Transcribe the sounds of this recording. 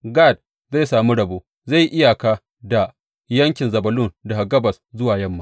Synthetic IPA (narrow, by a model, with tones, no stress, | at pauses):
ɡa˦˨d̚ | za˦˨saː˨mi˦ɽɐ˨boː˦ | za˦˨jʔɪ˦ja˨kaː˦ | da˨ | jɐ˦ŋkʲɪ˨nzɐ˨bɐ˨lʊ˦nda˨ha˨ɡɐ˦bɐ˨szʊ˦waː˨jɐ˦mːaː˦